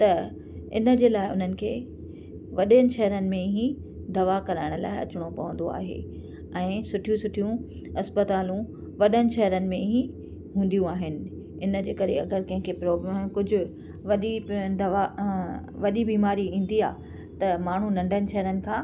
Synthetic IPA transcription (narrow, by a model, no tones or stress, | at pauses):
t̪ɐ | ɪ̰nə̆d͡ʑeːlaːɪʊ̰n̤ənɪ̆kʰeː | ʋɐɗiənɪ̆ʃɐɦəɾənɪ̆mẽɦĩ | d̪ɐʋakɐɾaːɪɽ̃ʊla̰ːɪɐ̰t͡ɕʊɽ̃opɐʋə̃nd̪o̰a̰ːɦḛː | ɛ̃ːsʊʈʰijũsʊʈʰijũ | ɐspət̪aːlũ | ʋɐɗənɪ̆ʃɐɦəɾənɪ̆mẽɦĩ | ɦũːn̆d̪ijũaːɦɪnɪ̆ | ɪnə̆d͡ʑeːkɐɾḛɐ̰ɡəɾkɐ̃ɦɪ̃kʰepɾoːbmkʊd͡ʑʱʊ̆ | ʋɐɗid̪ɐʋa | ʋɐɗibiːmaːɾiĩːn̆d̪ia̰ː | t̪ɐmaːɳ̤ũnɐ̃ɳɖʱənɪ̆ʃɐɦɾənɪ̆kʰãː